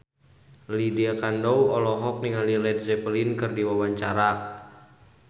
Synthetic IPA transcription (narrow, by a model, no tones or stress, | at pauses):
lidiakandɔwɔlɔɦɔk̚niŋalilɛd̚zɛpəlinkɨrdiwawaɲt͡ʃaɾa